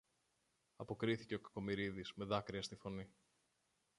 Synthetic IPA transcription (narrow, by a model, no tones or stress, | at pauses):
ɐpo̞kɾiθice̞o̞kɐ̥ko̞miɾiðiz̥me̞ðɐkɾiɐst̪ifo̞ni